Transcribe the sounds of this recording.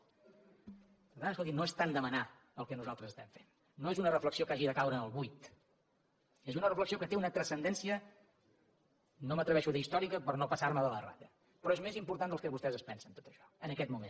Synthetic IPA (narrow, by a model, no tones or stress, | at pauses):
pəɾt̪anəskolˠt̪inoest̪and̪əməna | əlˠkɛnuzalˠt̪ɾəzəst̪ɛɱfenː | oezunərəfləksiokaʒiðəkawɾənəlˠβujt̪ | ezunərəfləksiokət̪eunət̪ɾəsənd̪ɛnsiə | nomət̪ɾəβɛʃuðəist̪ɔɾikəpəɾnopəsarməðələra̰ðə | pɾɔezmezimpuɾt̪and̪əlˠkɛβust̪ɛzəspɛnsənt̪o̥t̪əʃɔ̥ənəkɛt̪mumḛn